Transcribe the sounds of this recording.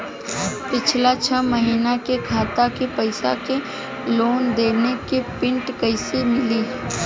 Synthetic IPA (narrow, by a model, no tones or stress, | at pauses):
pɪt͡ʃʰlat͡ʃʰəməɦiːnakekʰaːt̪akepəɪsa̰ke | loːnd̪eːnekepɪ̃ɳʈkəɪsimɪliː